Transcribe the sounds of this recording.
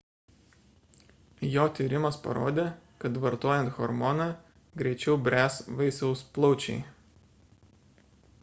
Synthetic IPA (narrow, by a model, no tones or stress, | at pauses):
joːt̪ʲiːɾʲɪmɐspɐ̰ɾo̰ːd̪ʲeːkɐt̪ʋɐɾt̪oɔːjɛnt̪xɔɾmɔnɑ | ɡɾʲɛɪt͡ʃʲɛʊbʲɾʲæːsʋɐɪsɐʊsplˠɒʊt͡ʃʲɛ̰ɪ